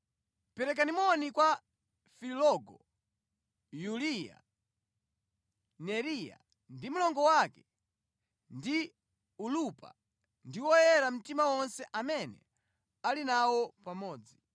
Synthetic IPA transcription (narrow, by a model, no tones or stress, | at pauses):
pɛɾɛk̬animɔnikwa | filɔɡɔ | julija̰ | nɛɾija̰ | ndim̩lɔŋɡɔwakɛ | ndi | ulupa̰ | ndiwɔjɛɾam̩timawɔnsɛʔamɛnɛ̰ | alinawɔpamɔːd͡zi